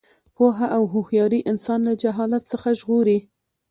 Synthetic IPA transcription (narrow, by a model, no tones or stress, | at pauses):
poɦaʔawɦʊhjɑɾiʔɪnsɑnlad͡ʒaɦɑlat̪səxaʒɣoɾi